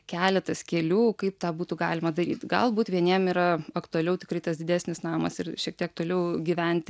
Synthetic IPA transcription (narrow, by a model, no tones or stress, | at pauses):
kʲæːlʲɛt̪ɐskʲɛlʲuːkɐɪpt̪ɑːbuːt̪uɡɑ̰ːlʲɪmɐd̪ɐɾʲḭːt̪ɡɐ̰lˠbuːt̪ʋʲiɛnʲiɛmiːɾɐɐkt̪ʊɐlʲɛʊt̪ʲɪkrɐɪt̪ɐsd̪ʲɪd̪ʲæːsʲnʲɪsnɑːmɐ̰sɪɾʃʲiɛkt̪ʲiɛk̚t̪oːlʲɛʊɡʲiʋʲɛnʲt̪ʲ